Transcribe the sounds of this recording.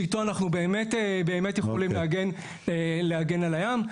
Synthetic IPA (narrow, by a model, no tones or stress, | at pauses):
ito̞anaχnube̞ːme̞tebe̞ːmetjeχolimleaɡe̞n | eleaɡe̞nalajam